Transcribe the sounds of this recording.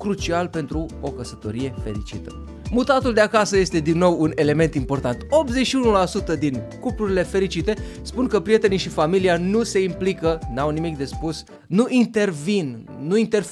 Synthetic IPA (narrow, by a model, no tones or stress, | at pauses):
kɾut͡ʃialpe̞nt̪ɾuo̞kəsət̪o̞̰ɾije̞fe̞ɾit͡ʃit̪ə | mut̪at̪uld̪e̞akasəje̞st̪e̞d̪inːo̞wune̞le̞me̞nt̪impo̞rt̪ant̪o̞pze̞t͡ʃʃiunulasut̪əd̪inkupluɾile̞fe̞ɾit͡ʃit̪e̞ | spunkəpɾije̞t̪e̞niʃifamilianuse̞implikənawnimik̚d̪e̞spus | nuʔint̪e̞rvinː | uint̪e̞r